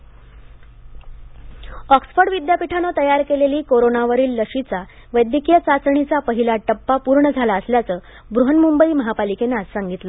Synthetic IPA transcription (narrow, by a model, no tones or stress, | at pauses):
ɔksfəɖʋid̪japiʈʰanət̪əjaɾkeleliːkoɾonaʋəɾiːlːəʂit͡sa | ʋəjd̪jəkijət͡sat͡sɳit͡sapəɦilaʈəpːapuɾɳəd͡zʱalaəsljat͡səː | bɾuɦənmumbəiːməɦapalikenassaŋɡit̪lə